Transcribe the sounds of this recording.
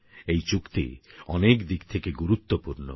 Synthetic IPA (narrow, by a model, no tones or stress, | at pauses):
ejt͡ɕukt̪ḭɔnekd̪ikt̪ʰekeɡuɾut̪ːopuɾno̰